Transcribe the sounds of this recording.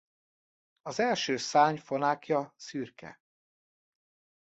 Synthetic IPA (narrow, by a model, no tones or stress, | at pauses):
ɒzɛlʃøːsaːɲfo̞naːkjɒsyːrkɛ̰